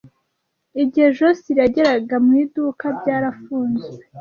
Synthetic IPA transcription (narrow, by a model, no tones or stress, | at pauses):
iɟiheʒosiɾaɟe̞ɾaɡamuidukabɟaːɾafuːnzwe